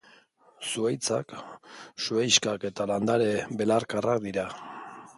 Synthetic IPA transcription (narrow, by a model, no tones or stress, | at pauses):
suajt͡sak | suajskake̞t̪aland̪aɾe̞be̞laɾkarakd̪iɾa